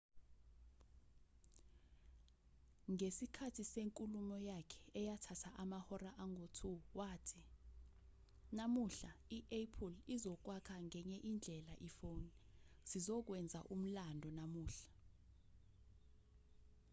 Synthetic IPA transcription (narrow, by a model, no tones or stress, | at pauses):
ŋesikʰatʰiseŋkʼulumɔjakʰɛ̥ɛjatʰatʰaʔamahɔraʔaŋʱotʰuwaːtʰi | namuɬaiʔɛpʰulizɔk̬wakʰaŋɛɲɛʔind͡ɮʱɛlaʔifowni | z̥izɔk̬wɛnd͡zʱa̰ʔum̩landʱɔnamuːɬḁ